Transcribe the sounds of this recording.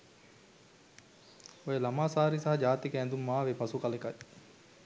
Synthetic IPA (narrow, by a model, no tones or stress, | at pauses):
ojelamaːsaːɾisaɦɐd͡ʒaːt̪ikeænd̪umːaːʋepasukalekaj